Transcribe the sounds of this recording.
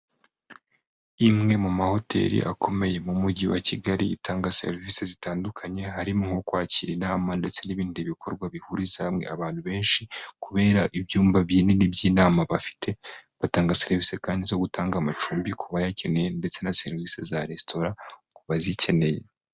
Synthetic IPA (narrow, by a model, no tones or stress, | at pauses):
imŋe̞mumaho̞tʰe̞̰ɾḭʔa̰kʰo̞me̞je̞mumuɟiwa̰ciɡaɾiḭtʰaːŋɡase̞̰ɾvisezitaːndukʰaɲe̞ɦaɾimuŋokwaːciɾinaːmande̞t͡se̞niβiːndiβikʰo̞ɾɡwaβihuɾizamŋe̞̰a̰βaːn̥huβe̞ːnʃikuβe̞ːɾaʔibjuːmvaβjiːnenibjiːnaːmaβafi̥tʰe̞βataːŋɡaseɾvise̞kaːndizo̞ɡutaːŋɡamat͡ʃuːmbikʰuβajace̞ne̞je̞nde̞t͡se̞nase̞ɾvisezaɾe̞stʰo̞ɾakuβazicʰe̞ne̞jḛ